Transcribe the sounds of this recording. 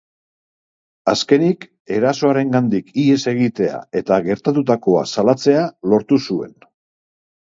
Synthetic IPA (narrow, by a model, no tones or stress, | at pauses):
aske̞nik | e̞ɾaso̞aɾe̞ŋɡand̪ikie̞se̞ɣit̪e̞a̰e̞t̪aɣe̞ɾt̪at̪ut̪ako̞a̰salat͡se̞alo̞ɾt̪usue̞̰n